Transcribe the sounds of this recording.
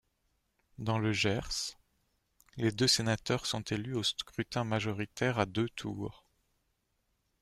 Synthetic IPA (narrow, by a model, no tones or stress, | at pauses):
d̪ɑ̃ləʒɛʁs | led̪øsenat̪œʁsɔ̃t̪ʰelyoskχyt̪ɛ̃maʒɔʁit̪ɛʁad̪øt̪ʰuːʁ